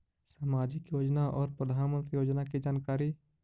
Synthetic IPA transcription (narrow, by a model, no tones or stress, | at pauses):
saːmaːd͡ʒɪkjoːd͡ʒnaʔɔːɾpɾəd̪ʱaːnmə̃nt̪ɾijoːd͡ʒnakid͡ʒaːnkaːɾi